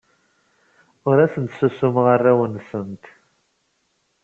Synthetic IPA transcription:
ʊɾæsənt̪səsːʊmʁərːæwənsənt̪

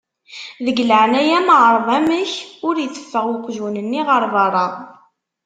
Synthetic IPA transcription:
ðəɡləʕnæjæmʕəɾˤðˤæməçʊɾjət͡sːə̥fːəʁwʊqʷːʒunənːiʁəɾˤðˤɑɾˤɑ

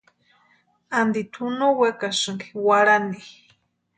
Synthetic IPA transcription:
and̪it̪ʰunowekasɨŋɡi̥waɾani

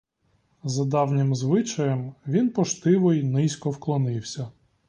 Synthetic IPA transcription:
zɐd̪ɑwnʲɪmzʋɪt͡ʃɐjɛmʋʲinpɔʃt̪ɪʋɔjnɪsʲkɔwklˠɔnɪwsʲɐ

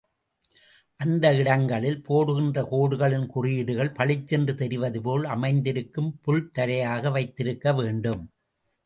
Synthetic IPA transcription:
ʔɐnd̪ɐɪɽɐŋɡɐɭɪlpoːɽɯɣɪndrɐkoːɽɯɣɐɭɪnkʊrɪjɪɽɯɣɐɭpɐɭɪt͡ʃːɛndrɯt̪ɛɾɪʋɐðɯpoːlɐmɐɪnd̪ɪɾɯkːɯmpʊɻt̪ɐɾɐjaːɣɐʋɐɪt̪ːɪɾɯkːɐʋeːɳɖɯm

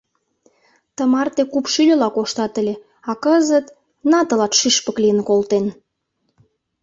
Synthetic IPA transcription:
t̪əmɑrt̪ekupʃylʲølɑkoʃt̪ɑt̪əlʲe | ɑkəzət̪ | nɑt̪ə̆lɑt̪ʃyʃpəklijə̆nkolt̪en

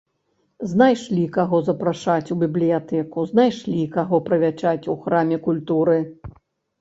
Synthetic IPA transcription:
znajʂlʲikaɣɔzɐpɾaʂat͡sʲubʲiblʲijat̪ɛkuznajʂlʲikaɣɔpɾɐvʲat͡ʂat͡sʲuxɾamʲɛkulʲt̪uɾɨ

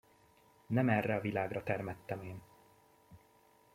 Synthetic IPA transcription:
nɛmɛrːɛɒvilaːɡrɒt̪ɛrmɛt̪ːɛmeːn

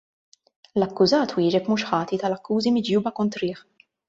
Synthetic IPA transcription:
lɐkːʊzɐːt̪wɪːd͡ʒɛpmuːʃħɐːt̪it̪ɐlɐkːuːzimɪd͡ʒjuːbɐkɔnt̪ɾɪːħ

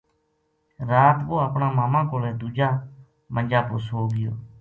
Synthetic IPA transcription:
ɾaːt̪boːəpɳãːmaːmãːkoːleːd̪uːd͡ʒaː | mənʲd͡ʒaːpʊsɦoːɡɪjoː

